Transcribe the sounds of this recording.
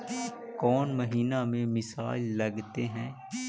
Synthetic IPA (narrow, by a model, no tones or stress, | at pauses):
kɔːnməɦiːnamẽmɪsa̰ːɪlːɐɡt̪eɦɛ̃ː